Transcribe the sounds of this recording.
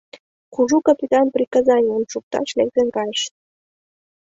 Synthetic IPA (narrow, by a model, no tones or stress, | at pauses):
kuʒukapʲit̪ɑnprʲikɑzɑnʲənʃuk̚t̪ɑ̰ʃlekzenkɑjʃ